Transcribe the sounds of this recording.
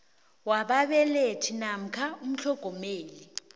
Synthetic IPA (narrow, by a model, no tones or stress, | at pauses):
waɓaɓɛletʰinam̩kʰaum̩ɬʰɔɡ̥ʱɔmeːli